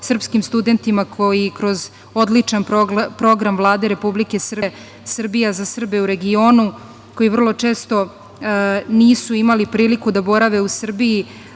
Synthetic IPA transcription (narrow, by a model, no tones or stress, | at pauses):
sr̩pskimst̪ud̪e̞nt̪imakʰojikɾo̞z | o̞d̪lit͡ʂanpɾo̞ɡɾamvlˠaːd̪eɾe̞publike̞sr̩ | sr̩bijazasr̩beuɾe̞ɡio̞ːnu | ko̞jivr̩lˠo̞t͡ʂe̞ːst̪o̞ | niːsuimalipɾiːlikud̪abo̞ɾaʋe̞usr̩biji